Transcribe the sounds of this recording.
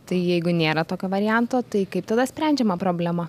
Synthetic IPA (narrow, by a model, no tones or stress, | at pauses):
t̪ɐɪjɛɪɡʊnʲeːɾɐt̪oːkʲoːʋɐɾʲɪjɛnt̪oːt̪ɐɪkɐɪp̚t̪ɐd̪ɐsʲpʲɾʲæˑnʲd͡ʒʲɛmɐpɾoːbʲlʲɛmɐ